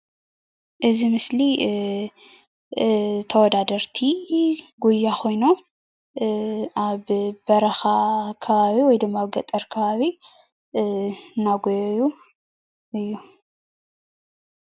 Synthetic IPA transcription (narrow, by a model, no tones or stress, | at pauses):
ʔɨzimɨsli | t̪ʰɐwɔd̪ad̪ɐɾt̪ʰiɡujːakʰo̞jno̞ | ʔaβbɐɾɐxakʰɐβaβiwɔjd̪ɨmːaaβɡɐt̪ʼɐɾkʰɐβaβi | nːaɡojju | ɨjːu